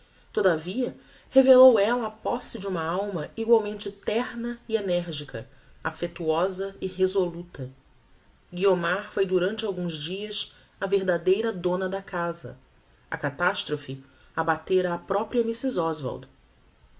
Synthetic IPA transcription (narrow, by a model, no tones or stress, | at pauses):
t̪od̪ɐviɐ | hevelowɛlɐːpɔsɪd͡ʒɪũmɐawmɐiɡwawmẽnt͡ʃɪt̪ɛɾnɐienɛɾʒikɐ̰ | afet̪uɔzɐiɦezolut̪ɐ | ɡiomaɾfojd̪uɾɐ̃nt͡ʃɪawɡũzd͡ʒiɐs | ɐveɾd̪ad̪ejɾɐd̪õnɐd̪ɐkazɐ̰ | ɐkat̪aʃt̪ɾofɪ | abat̪eɾɐːpɾɔpɾiɐmisizɔzva̰wd̪